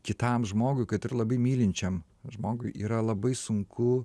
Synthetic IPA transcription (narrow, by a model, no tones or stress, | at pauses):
kʲɪt̪ɐmʒmoːɡʊɪkɐt̪ɪɾlˠɐbɐɪmʲiːlʲɪnʲt͡ʃʲɛm | ʒmoːɡʊɪḭːɾɐlˠɐbɐɪsʊŋkʰʊ